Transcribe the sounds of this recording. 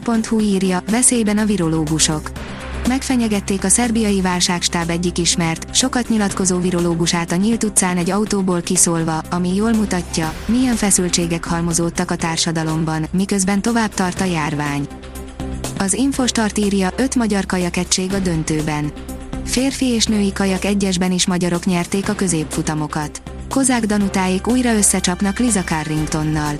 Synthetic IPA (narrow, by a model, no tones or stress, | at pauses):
po̞nt̪huiːrjɒvɛseːjbɛnɒviɾo̞loːɡuʃo̞k | mɛkfɛɲɛɡɛt̪ːeːkɒsɛrbijɒjivaːlʃaːkʃt̪aːbɛɟːikiʃmɛrt̪ʃo̞kɒt̪ɲilɒt̪ko̞zoːviɾo̞loːɡuʃaːt̪ɒɲiːlt̪ut̪saːnɛɟɒut̪oːboːlkisoːlvɒɒmijoːlmut̪ɒcːɒmijɛɱfɛsylt͡ʃeːɡɛkhɒlmo̞zoːt̪ːɒkɒt̪aːrʃɒd̪ɒlo̞mbɒnmikø̞zbɛnt̪o̞vaːb̚t̪ɒrt̪ɒjaːrvaːɲ | ɒziɱfoʃt̪ɒrt̪iːrjɒʔø̞t̪mɒɟɒrkɒjɒkɛt͡ʃːeːɡɒd̪ø̞nt̪øːbɛn | feːrfieːʃnøːjikɒjɒkɛɟːɛʒbɛniʃmɒɟɒɾo̞kɲɛrt̪eːkɒkø̞zeːpfut̪ɒmo̞kɒt̪ | ko̞zaːɡd̪ɒnut̪aːjikuːjrɒø̞sːɛt͡ʃɒpnɒklizɒkɒrːiŋkt̪o̞nːɒl